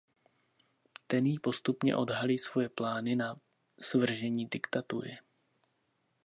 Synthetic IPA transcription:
t̪ɛnjiːpo̞st̪upɲɛ̰ʔo̞̰dɦaliːsvo̞jɛplaːnɪna | svr̩ʒɛɲiːdɪkt̪at̪uɾɪ

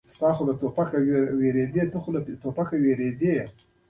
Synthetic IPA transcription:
st̪ɑxolat̪opakaweweɾed̪et̪əxolat̪opakaweɾed̪e

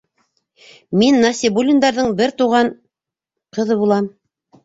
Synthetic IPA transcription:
minːasʲɪbulʲɪnd̪ɑɾðɤɴbɘɾt̪uʁɑɴ | qɤ̆ðɤβulˠɑm

